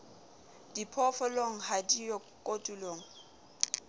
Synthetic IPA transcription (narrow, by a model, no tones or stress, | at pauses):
d̥ipʰɔfɔloŋ̩hadijɔ | kʼotʼuloːŋ̩